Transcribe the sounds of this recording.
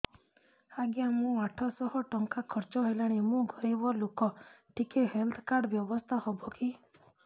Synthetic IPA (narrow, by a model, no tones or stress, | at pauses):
aɡjamũaʈʰɔsɔhɔʈɔŋkakʰɔɾt͡ʃɔɦelaɽ̃imũɡʱɔɾibɔlokɔʈʰikeɦelt̪ʰkaɾɖbjɔbɔst̪ʰahɔbɔki